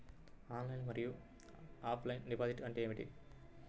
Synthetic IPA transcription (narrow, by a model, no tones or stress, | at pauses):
aːnlɐjnmɐɾiju | aːpʰlɐjnɖipaːziʈɐɳʈeeːʋiʈḭ